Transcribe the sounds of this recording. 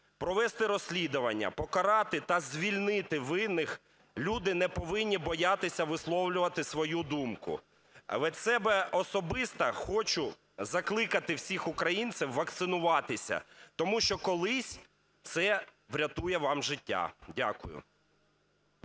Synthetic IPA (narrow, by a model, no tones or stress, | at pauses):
pɾɔʋɛst̪ɪɾɔsʲlʲid̪ʊʋɐnʲːɐ̰pɔkɐɾɑt̪ɪt̪ɐzʲʋʲilʲnɪt̪ɪʋɪnːɪx | lʲud̪ɪnɛpɔʋɪnʲːibɔjat̪ɪsʲɐʋɪslˠɔwlʲʊʋɐt̪ɪsʋɔjud̪umkʊ̰ | ʋɛsɛbɛɔsɔbɪst̪ɐxɔt͡ʃʊ | zɐklˠɪkɐt̪ɪwsʲixʊkɾɐjint̪sʲɪwːɐk̚t̪sɪnʊʋɑt̪ɪsʲɐ̰t̪ɔmuʃt͡ʃɔkɔlˠɪsʲ | t̪sɛ | ʋɾʲɐt̪ujɛʋɑmʒɪtʲːa̰dʲakʊjʊ̰